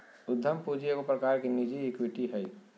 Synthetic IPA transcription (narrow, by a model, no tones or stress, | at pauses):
ʊd̪ʱːəmpud͡ʒijekopɾəkaːɾkinid͡ʒiːkwiʈiɦɛi